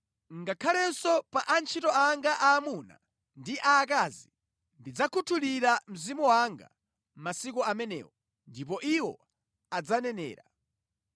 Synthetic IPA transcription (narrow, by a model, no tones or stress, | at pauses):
ŋɡakʰalɛnsɔpaʔant͡ʃʰitɔaŋɡaʔaːmuna̰ | ndiʔaːkaːzi | ndid͡zakʰutʰuliɾam̩zimuwaŋɡa̰ | masikɔamɛnɛ̰ːwɔ | ndip̬ɔʔiwɔ̰ | ad͡zanɛnɛ̰ːɾa